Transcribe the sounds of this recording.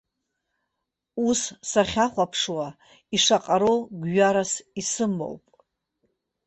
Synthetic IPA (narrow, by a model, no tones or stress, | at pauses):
ussaχʲaχʷapʰʂwa | iʂaqʼaɾoɡʷɥaɾasisɨmːo̰wpʼ